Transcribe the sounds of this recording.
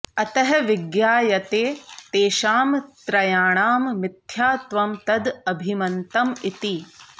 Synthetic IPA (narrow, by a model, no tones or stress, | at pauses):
ɐt̪ɐɦɐʋiɡjaːjɐt̪eːt̪eːʃaːmt̪ɾɐjaːɳaːmːɪt̪ʰjaːt̪ʋɐmt̪ɐd̪ɐbʱimɐnt̪ɐmit̪i